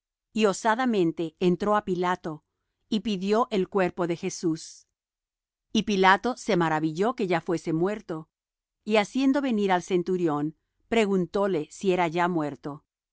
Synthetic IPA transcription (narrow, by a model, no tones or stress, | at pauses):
io̞saðamẽ̞nt̪e̞ːnt̪ɾo̞apilat̪o̞ | ipiðjo̞ʔelkwe̞ɾpo̞ðe̞xesus | ipilat̪o̞se̞maɾaβiʝo̞ke̞ʝafwe̞se̞mwe̞ɾt̪o̞ | iasje̞nd̪o̞βe̞niɾalse̞nt̪uɾjo̞n | pɾe̞ɣunt̪o̞le̞sie̞ɾaʝamwe̞ɾt̪o̞